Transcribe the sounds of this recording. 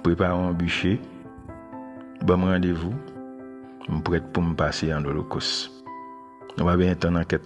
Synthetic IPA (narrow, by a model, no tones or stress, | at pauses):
pɣepaʁẽõbyʃe | bɔmɣãdevu | m̩pɣɛt̚pum̩paseãdolokos | nũpaɡɛ̃jɛ̃tãnãkɛt